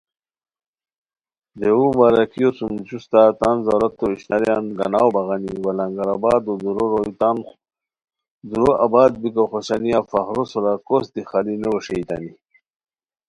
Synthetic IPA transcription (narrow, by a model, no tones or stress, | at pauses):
d̪eumaɾakijosumt͡ɕust̪at̪anzaɾɐt̪ːoiɕnaɾjanɡɐ̰nawbɐɣaniwalaŋɡaɾabaːd̪od̪uɾoɾojt̪an | d̪uɾoʔabaːd̪̚bikaxoɕanijafaxɾosoɾakosd̪ixalinewɐʂejt̪a̰ni